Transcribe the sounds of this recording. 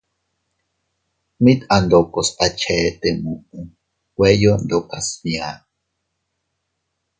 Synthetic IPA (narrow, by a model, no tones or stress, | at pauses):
mit̪and̪okosat͡ʃʰeːt̪emuʔu | wejond̪okasmia